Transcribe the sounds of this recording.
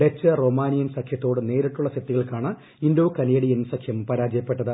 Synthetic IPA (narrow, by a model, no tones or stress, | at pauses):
ɖet͡ɕːɨro̞ːmaːnijɐnsɐkʰjɐt̪ːo̞ːɽɨne̞ːɾɐʈːuɭːɐset̪ːiɣɐɭkaːɳɨ | ind̪oːkɐneːɽiensɐkʰjɐmpɐɾaːd͡ʑɐjɐpːe̞ʈːɐðɨ